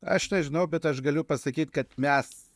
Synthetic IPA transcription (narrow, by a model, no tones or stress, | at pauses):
ɐ̰ʃnʲɛʒʲɪnɐʊbʲɛt̪ɐʃɡɐlʲʊpɐsɐkʲiːt̪kɐt̪mʲɛs